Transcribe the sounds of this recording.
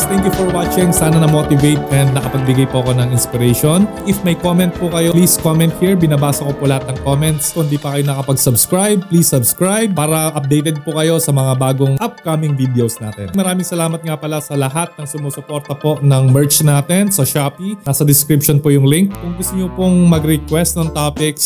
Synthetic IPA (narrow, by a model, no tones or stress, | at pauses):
t̪ɛŋkjufɔɹwaːt͡ʃɪŋsaːnɐnɐmot̪ɪvejt̪̚ʔɛnd̪̚nɐkɐpɐɡ̚bɪɡajpoʔɐko̞nɐŋɪnspɪɾɛʃonʔɪfmɐjkomɛnt̪̚pʊkɐjoliːskomɛnt̪̚hiɹbɪnɐbaːsɐkopolɐhat̪̚nɐŋkomɛnt̪skʊnd̪ipɐkɐjonɐkɐpɐɡsɐbskɹajb̚pliːsːɐbskɹajb̚paːɾɐʔɐp̚d̪ejt̪ɛd̪̚pʊkɐjo̞sɐmɐŋabaːɡoŋʔɐp̚kamɪŋviːd̪ɛowsna̰ːt̪ɛ̰nmɐɾaːmɪŋsɐlaːmɐt̪̚ŋapɐlasɐlɐɦat̪̚nɐŋsʊmoːsʊpoɾt̪ɐpo̞nɐŋmɛɹt͡ʃnaːt̪ɛnsɐʃaːpinasɐd̪ɪskɾipʃonpojʊŋlɪŋkkʊŋɡʊst̪ʊɲopoŋmɐɡɾɛkwɛst̪̚nɐŋt̪aːpɪks